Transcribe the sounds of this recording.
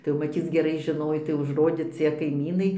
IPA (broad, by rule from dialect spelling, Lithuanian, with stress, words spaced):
tɐɪ jɛʊ mɐˈtʲiːt͡s ɡʲɛˈrɐɪ ʒʲɪˈnoːj tɐɪ ʊʒˈroːdʲeː ˈt͡sʲiɛ kɐɪˈmʲiːnɐɪ